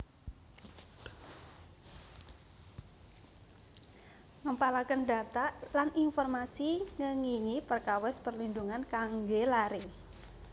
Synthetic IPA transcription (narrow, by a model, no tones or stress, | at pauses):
ŋəmpalakəndat̪aʔlanʔinfɔrmasiŋəŋiŋipərkawɛspərlinduŋankaŋɡelaɾe